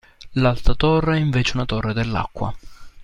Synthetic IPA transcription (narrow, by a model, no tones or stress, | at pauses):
lalt̪at̪ɔrːeɛiɱveːt͡ʃeunat̪ɔrːed̪elːa̰kːwa̰